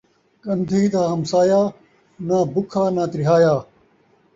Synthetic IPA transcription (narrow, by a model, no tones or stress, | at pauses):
kɐnd̪ʱiːd̪aːɦɐmsaːjaː | naːbʊkʰaːnaːt̪ɾɪɦaːjaː